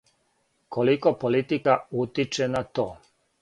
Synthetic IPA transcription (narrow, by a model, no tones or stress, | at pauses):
kolikopolit̪ikaut̪it͡ʃenat̪oː